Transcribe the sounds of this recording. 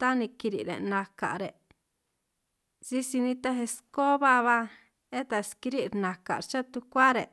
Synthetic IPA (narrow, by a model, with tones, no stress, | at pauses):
t̪a˦nĩ˧ki˧ɾḭ˨ɾḛ˨nã˧ka̰˨ʔɾe˨ | zi˧si˧nĩ˧t̪a˧ɦe˧sko˦βa˦˧βa˧ | e˦t̪a˧ski˧ɾi˦ɾnã˨ka̰˨ɾt͡ʃa˦t̪u˧kʷa˦ɾe˨